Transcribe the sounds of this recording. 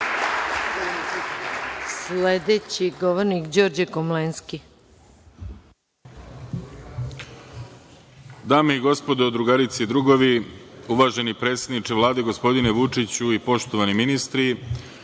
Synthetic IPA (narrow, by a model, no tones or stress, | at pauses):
sled̪et͡ɕiɡoʋoɾnikd͡ʑo̞ːɾd͡ʑekomlenski | d̪aːmeiɡo̞spo̞d̪od̪ɾuɡaɾit̪sid̪ɾuɡoʋiuʋaːʒe̞nipɾe̞ːt̪sʲed̪nit͡ʂeʋlˠaːd̪e̞ɡo̞spo̞d̪ineʋut͡ʂit͡ɕuipo̞ʃt̪oʋaniminist̪ɾi